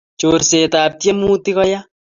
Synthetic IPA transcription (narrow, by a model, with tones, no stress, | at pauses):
t͡ʃoɾse˨taː˨p̚tje˦mu˦ti˦kɔ˦ja